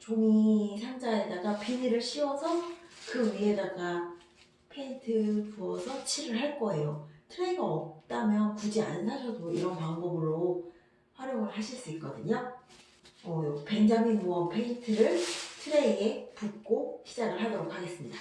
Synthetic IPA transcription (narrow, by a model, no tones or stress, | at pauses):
t͡ɕoŋisʰamd͡ʑae̞daɡapiniɾɯɭɕʰiwʌsʰʌkɯɥie̞daɡa | pʰe̞intʰɯpuʌsʰʌt͡ɕʰiɾɯɭɦaɭk͈ʌe̞jotʰɯɾe̞iɡaʌp̚t͈amjʌnkud͡ʑia̰nːaɕʰʌdoiɾʌnpaŋbʌbɯɾo | haɾjoŋɯɭhaɕʰiɭs͈uik̚k͈ʌdɯɲo | mʌjope̞ŋd͡ʑamimuʌpʰeintʰɯɾɯɭtʰɯɾe̞iɡepuk̚k͈oɕʰid͡ʑaɡɯɭɦadʌɾok̚haɡe̞s͈ɯmɲid̥a